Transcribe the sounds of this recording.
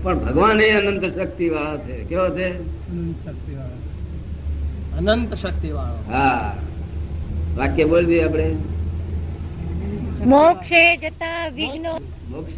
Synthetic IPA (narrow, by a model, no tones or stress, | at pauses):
pəɳbʱəɡʋanɦeənənt̪ʃək̚t̪iʋaɭot͡ʃʰekeʋot͡ʃʰe | kt̪i | ənənt̪ʃək̚t̪iʋaɭoɦa | ʋakːebold͡ʒ̪iapɽ̃e | mokʃed͡ʒət̪aʋiɡno | mokʃ